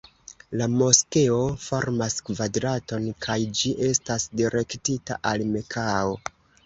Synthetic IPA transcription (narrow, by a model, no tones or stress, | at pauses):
lamo̞ske̞o̞fo̞ɾmaskvadɾato̞nkʰajd͡ʒiʔe̞stasdiɾe̞ktita̰ʔalme̞kʰao